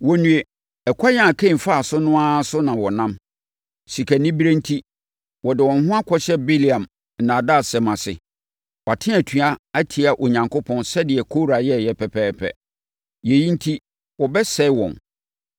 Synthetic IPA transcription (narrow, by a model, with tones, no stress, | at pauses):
wɔ˨nũ˨e˨ | ɛ˨kʷʰa˦jã˦˨a˨kʰẽ˦˨m̩˨fa˦a˨sʊ˦nʊ̃˦a˦sʊ˦nã˨wɔ˨nã˦m | si˨kʰa˨nĩ˦bi˦ɾe˦n̩˦tʰi˦ | wɔ˨dɪ˨wɔ̃˨n˦ɦʊ̃˦a˦kʰɔ˦ɕɛ˦bi˦li˨ã˨m̩˨ | nã˨da˦˨sɛ˨mã˨sɪ̰˨ | wɔ˨a˨tʰɪ̃˦æ˨tʰi˨a˦a˦tʰi˨a˨ʔo˨ɲã˨ŋkʰʊ˦pʰɔ̃˦nsɛ˦dɪ˨ɛ˨kʰo˦ɾa˨jɛ˦˨jɛ˦pʰɛ˨pʰɛː˦pʰɛ̰˨ | je˨jĩ˦n̩˦tʰi˦ | wɔ˨bɛ˦sɛ˦wɔ̰̃˨n